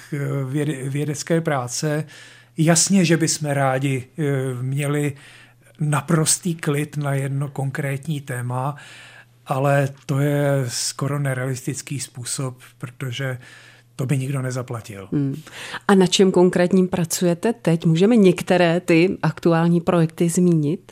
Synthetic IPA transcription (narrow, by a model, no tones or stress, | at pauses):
vɛvjɛdɛt͡skɛːpɾaːt͡sɛ | jasɲɛʒɛbɪsmɛɾaːɟɪ | mɲɛlɪ | napɾo̞st̪iːklɪt̪najɛdno̞ko̞ŋkɾɛːt̪ɲiːt̪ɛːma | ʔalɛt̪o̞jɛsko̞ɾonɛɾɛalɪst̪ɪt͡skiːspuːsoppːɾot̪o̞ʒɛ | t̪o̞bɪɲɪɡdo̞nɛzaplacɪ̰l̩ | ʔanat͡ʃɛmko̞ŋkɾɛːt̪ɲiːmpɾat͡sujɛt̪ɛt̪ɛcmuːʒɛmɛɲɛkt̪ɛɾɛːt̪ɪʔakt̪uaːlɲiːpɾojɛk̚t̪ɪzmiːɲɪt̪